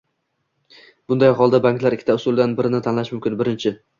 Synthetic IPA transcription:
b̥ʊnd̪ajɦɒlˠd̪abaŋklaɾɪkʲʰːɪ̥t̪ʰaʊsʊlˠd̪anbɪɾɪnɪt̪ʰanlaʃmʊmkʲɪnbɪɾɪnt͡ʃʰɪ

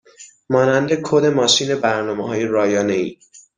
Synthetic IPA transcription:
mɒːnænd̪ekʰod̪e̞mɒːʃiːne̞bæɾnɒːmeɦɒːjeɾɒːjɒːneḭː

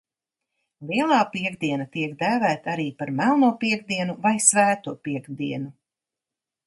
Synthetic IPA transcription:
liɛlˠaːpiɛɡd̪iɛnat̪iɛkd̪æːvæːt̪aaɾiːpaɾmælˠnuːpiɛɡ̚d̪iɛnuvajsvæːt̪uːɔpiɛɡd̪iɛnu

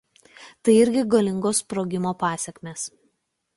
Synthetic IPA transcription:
t̪ɐɪɪɾʲɡʲɪɡɐlʲɪŋɡoːspɾoːɡʲɪmoːpɑːsʲɛkʲmʲeːs

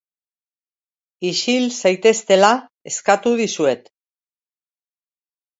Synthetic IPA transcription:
iʃilsajt̪e̞st̪e̞lae̞skat̪uðisue̞t̪

